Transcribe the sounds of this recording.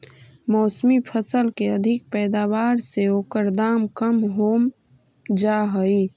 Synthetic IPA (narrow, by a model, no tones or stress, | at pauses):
mɔːsmipʰəsəlkeəd̪ʱɪk̚pɛːd̪aːʋaːɾseoːkəɾd̪aːmkəmɦoːm | d͡ʒaːɦoi